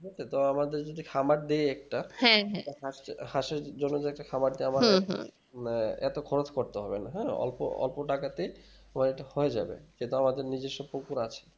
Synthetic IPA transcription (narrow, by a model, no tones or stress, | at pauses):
ɦet̪et̪oamad̪eɾd͡ʑod̪ikʰamaʈ̚d̪eeɛk̚ʈaɛ̃ɦ̪ɦaʃhaʃeɾd͡ʑonːod͡ʑeɛk̚ʈakʰamaɖ̚d̪eama | ɛ̰t̪okʰɔɾot̪ʰkoɾt̪eɦɔbenaɦɛɔ̰lpo̰ɔ̰lpoʈakat̪ej | amaɾeʈahoed͡ʑa̰bḛkint̪uamad̪eɾnid͡ʑeʃopokuɾat͡ɕʰe̥